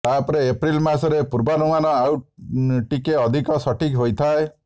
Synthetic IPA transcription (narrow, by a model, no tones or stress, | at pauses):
t̪apɔɾeːpɾilmasɔɾepuɾbanumanɔawʈikeɔd̪ʱikɔsɔʈikɦojt̪ʰae